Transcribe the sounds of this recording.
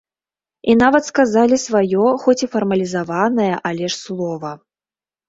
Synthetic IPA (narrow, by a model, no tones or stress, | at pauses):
in̪avɐt̪skazalʲisvajɔxɔt͡sʲifɐrmɐlʲizavanɐjɐʔalʲɛʂslˠɔvɐ